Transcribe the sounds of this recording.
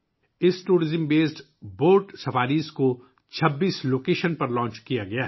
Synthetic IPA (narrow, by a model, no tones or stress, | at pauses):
ɪsʈuːɾɪzəmbeːsʈ | boːɾʈsɐfʰaːɾiːsko | t͡ʃʰɐbːiːsloːkeːʃənpɐɾlɔ̃ːt͡ʃkijaɡɐjaːɦ